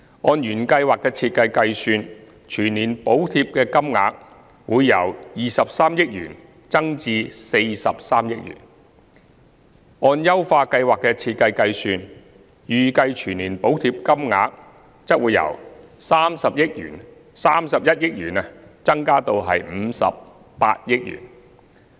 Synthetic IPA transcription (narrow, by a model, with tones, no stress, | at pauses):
ŋɔː˧njyː˨˩nkɐ˧jwaː˨˩kːɛː˧t͡sʰiː˧t̪̚kɐ˧jkɐ˧jsyː˧n | t͡ʃʰyː˨˩nniː˨˩npo˨˥wt̪ʰiː˧p̚kɛː˧kɐ˥mŋa̰ː˨˥k̚ | wuː˨˧jːɐ̰˨˩wjiː˨sɐ˨p̚saː˥mjɪ˥k̚jy̰ː˨˩n | t͡sɐ˥ŋt͡siː˧se˧jsɐ˨p̚saː˥mjɪ˥k̚jy̰ː˨˩n | ɔː˧njɐ˥wfaː˧kɐ˧jwaː˨kːɛː˧t͡sʰiː˧t̚kɐ˧jkɐ˧jsyː˧n | jyː˨˩kɐ˧jt͡ʃʰyː˨˩niː˨˩npo˨˥wt̪ʰiː˧p̚kɐ˥mŋa̰ː˨˧k̚ | t͡sɐ˥k̚wuː˨˧jɐ̰˨˩wsaː˥msɐ˨p̚jɪ˥k̚jy̰ː˨˩n | saː˥msɐ˨p̚jɐ˥t̚jɪ˥k̚jyː˨˩nɛ˧t͡sɐ˥ŋkaː˥t̪o˧wɦɐ̰˨jm̩˨˧sɐ̰˨p̚ː | a̰ː˧t̚jɪ˥k̚jy̰ː˨˩n